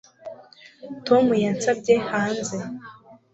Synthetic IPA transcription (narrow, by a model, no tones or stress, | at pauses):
to̞mujansab̚ɟe̞haːnze